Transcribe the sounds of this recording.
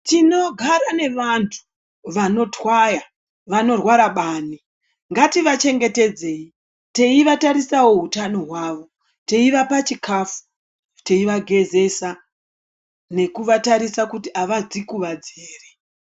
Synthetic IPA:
tino̞ɡʱaɾane̞ʋantʰu̥ | ʋano̞twaja | ʋano̞rwaɾaɓaːni | ŋɡatiʋat͡ʃe̞ŋɡe̞te̞d͡ze̞ːi | te̞iʋataɾisawo̞ɦutano̞ɦwaʋo̞ | te̞iʋapat͡ʃikʰafu̥ | te̞iʋaɡʱe̞ze̞sa | ne̞kuʋataɾisakutiaʋad͡zikuʋad͡zeːre

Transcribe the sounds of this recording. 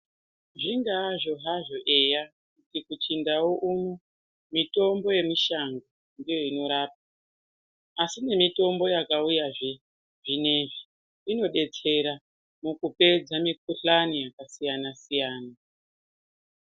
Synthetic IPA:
ʐiŋɡaːʐo̞ɦaʐo̞ʔe̞ja | kutikut͡ʃindawo̞ʔumu | mito̞mbo̞je̞miʃaŋɡo | ndijo̞ino̞ɾaːp̚a | asine̞mito̞mbo̞jakaujaʐe | ʐine̞ʐi | ino̞ɗe̞t͡se̞ɾa | mukupe̞d͡zamik̚uɬanijakasijanasijaːna

